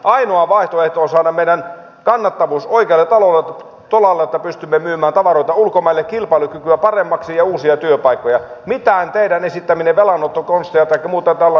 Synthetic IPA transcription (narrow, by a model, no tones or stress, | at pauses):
ʔɑinoɑʋɑiht̪oeht̪oːsɑːnɑmeinːæn | kɑnːɑt̪ːɑʋuːsoikeɑlːet̪ɑlolːe | t̪olɑlːeet̪ːæpyst̪ymːemyːmæːnt̪ɑʋɑroit̪ɑulkomɑilːekkilpɑilukykyæpɑremːɑksijɑuːsiɑt̪yøpɑikːojɑmit̪ænt̪eidænesit̪ːæmineʋelɑnːot̪ːokonst̪ejɑt̪ɑikːɑmuːt̪ɑt̪ælː